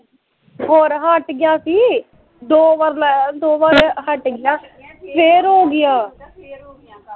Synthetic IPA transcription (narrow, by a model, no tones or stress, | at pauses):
ɦoːɾɦəʈɡɪjaːsiː | d̪oːʋəɾld̪oːʋaːɾhəʈɡɪjãːpʰeːɾɦoːɡɪjaː